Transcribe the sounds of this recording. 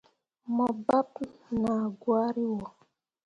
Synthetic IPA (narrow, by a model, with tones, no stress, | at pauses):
mɔ˨ba˦pna˨ɡwa˦ɾi˦wɔ˨